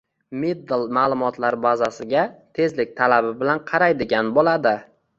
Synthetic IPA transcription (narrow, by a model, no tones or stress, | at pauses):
mid̪ɪlˠmaːlˠʊmɒt̪laɾbazasɪɡʲat̪ʰe̞zlɪk̚ʲt̪ʰalabɪbɪlanqʰɑɾajd̪ɪɡʲanbolad̪ɪ